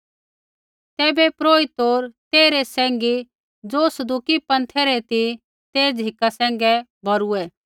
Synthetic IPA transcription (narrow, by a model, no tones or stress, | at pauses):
t̪ɛːbɛpɾoːit̪oːɾt̪eːɾesɛ̃ːŋɡi | d͡zoːsɐd̪ukipɐ̃nt̪ʰɛɾɛt̪i | t̪eːd͡zʱɦɪkasɛ̃ːŋ̆ɡɛbʱɐɾuɛ